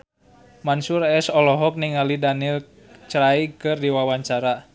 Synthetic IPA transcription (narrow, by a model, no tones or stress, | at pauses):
mansuɾɛsɔlɔɦɔk̚niŋalidanil | t͡ʃɾaikɨrdiwawaɲt͡ʃaɾa